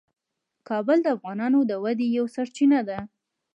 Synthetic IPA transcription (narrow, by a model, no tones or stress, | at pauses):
kɑbəld̪əafɣɑnɑnod̪əwad̪ejawsaɾt͡ʃinad̪a